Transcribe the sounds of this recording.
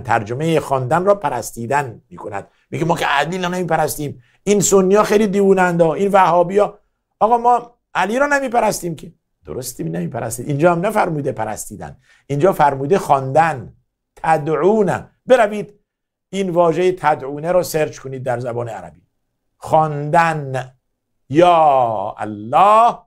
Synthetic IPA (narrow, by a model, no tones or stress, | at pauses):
t̪ʰæɾd͡ʒomejexɒːnd̪ænrɒːpʰæɾæst̪iːd̪ænmiːkʰonæ̰d̪̥̚ | miɡemɒːkʰeæliːlɒnemiːpæɾæst̪iːm | insonːijɒːxejliːd̪iːvuːnænd̪ɒːinvæhɒːbijɒː | ɒːɣɒːmɒː | ʔæliːɾɒːnæmiːpæɾæst̪iːmkʰe | d̪̥o̰ɾost̪iːnemiːpʰæɾæ̰st̪iːd̪ind͡ʒɒːhæmnæfæɾmuːd̪epʰæɾæst̪iːd̪æ̰n | ʔind͡ʒɒːfæɾmuːd̪exɒnd̪æn | t̪ʰæd̪ʕuːnæ̰m | be̞ɾæviːd̪ | iːnvɒːʒejet̪ʰæd̪ʕuːneɾɔːseɾt͡ʃkʰoniːd̪̚ːæɾzæbɒːneæ̰ɾæ̰biː | xɒnd̪æn | jɒːæ̰lːɒːh